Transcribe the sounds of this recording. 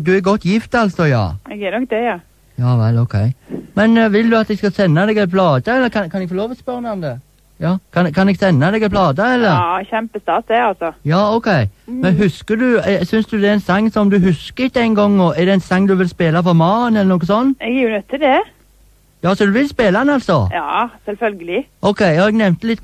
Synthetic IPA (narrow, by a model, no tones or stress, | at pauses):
d̪ʉæɾɡɔt̪ːjɪft̪ɑlsɔjɑ̰ːɛɡɛnɔk̚d̪ɛjɑ | jɑːʋɛlɔʊkʰɛ̰ɪmɛnʋɪld̪ʉɑt̪d̪ɛɡskɑsɛnːɑd̪ɛɡɛlpʰlɑːd̪əɛlːəɾkʰɑnkʰɑnɛɡfɔloːʋɔspœɾnʊmd̪ɛ | jɑːkʰɑnkʰɑnɛɡsɛnːɑd̪ɛɡɛlpʰlɑːd̪ɑɛlːəɾçɛmpəst̪ɑːt̪ɛɑlsɔjɑːɔʊkʰɛɪmɛnɦʉskəd̪ʉɛsʏnsd̪ʉd̪ɛɛnsɑŋːsɔmd̪ʉɦʉskəɪt̪ːəɛɪnɡɔŋːɔɛdɛɛnsɑŋːd̪ʉʋɪlspeːlɑfɔɾmɑːnɛlːənoːkːəsɔnːɛɡjɪjʊnœt̪ʰːɪd̪ɛ | jɑːsɔd̪ʉʋɪlspeːlaɛnɑlsɔjɑːsɛlfœlɡəlɪʔɔʊkʰɛɪjɑːɛɡnɛʋmnt̪əlɪt̪